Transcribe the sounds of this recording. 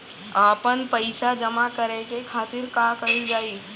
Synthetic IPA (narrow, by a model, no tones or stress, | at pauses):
aːpənpəɪsad͡ʒɐmakɐɾekekʰaːt̪ɪɾkaːkɐɦid͡ʒaːiː